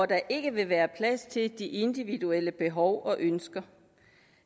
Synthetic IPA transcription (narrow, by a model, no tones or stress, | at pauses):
ɒd̥ɑ̈ʔe̝ɡ̥əʋe̝ʋæːɐpʰlæst͡sʰe̝ld̥iʔe̝nd̥iʋid̥uel̰əb̥e̝ɦɒʊʔɒ̽ʔønsɡ̥ɐ